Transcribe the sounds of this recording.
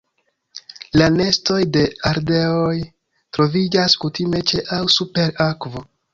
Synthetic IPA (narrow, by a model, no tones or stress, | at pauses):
lane̞sto̞jde̞aɾde̞oj | tɾo̞vid͡ʒaskutime̞t͡ʃe̞ʔawsupe̞ɾakvo